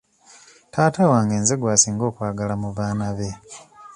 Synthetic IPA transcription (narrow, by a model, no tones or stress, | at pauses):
taːtawaːŋɡeːnzeɡwaːsiːŋɡo̞ːkwaːɡalamuβaːnaβe̞